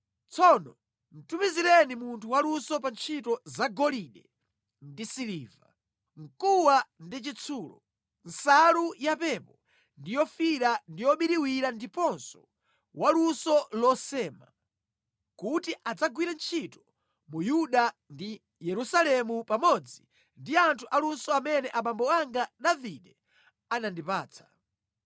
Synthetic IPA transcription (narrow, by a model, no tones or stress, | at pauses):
t͡sʰɔnɔ | n̩tumiziɾɛnimuntʰuwalusɔpant͡ʃʰitɔzaɡɔliɗɛ | ndisiliːva | ŋ̩kuwandit͡ʃit͡sʰuːlɔ̰ | n̩salujapɛpɔ | ndijɔfiɾandijɔɓiɾiwiɾandipɔnsɔ̥ | walunsɔlɔsɛːma | kutiʔad͡zaɡwiɾant͡ʃʰitɔ̥ | mujuɗandi | jɛɾusalɛmupamɔd͡zi | ndiantʰuʔalunsɔamɛnɛʔaɓambɔaŋɡaɗaviɗɛ | anandipaːt͡sʰḁ